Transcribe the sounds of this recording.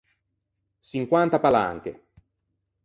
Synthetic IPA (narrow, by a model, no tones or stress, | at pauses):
t͡ʃiŋkwant̪apala̰ŋkḛ